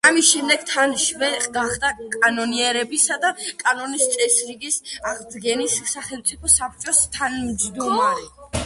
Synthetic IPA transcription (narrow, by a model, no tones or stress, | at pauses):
amisʃɛmd̪ɛɡt̪ʰanʃvɛɡaχd̪akʼanɔniɛɾɛbisad̪akʼanɔnist̪sʼɛsɾiɡisaʁd̪ɡɛnisːaχɛlˠmt̪sʼipʰɔsap̚ʰt͡ʃʼɔst̪ʰanmd̪zd̪ɔmaɾi